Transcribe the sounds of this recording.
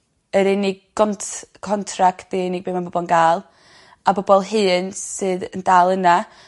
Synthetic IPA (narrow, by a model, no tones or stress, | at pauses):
əɾɪnɪɡɡɔntkʰɔntʰraktb̥eɪnɪɡ̚beːmanbɔbɔlˠnɡaːlˠ | abɔbɔlˠɦɨːnsɨːðəndaːlˠəna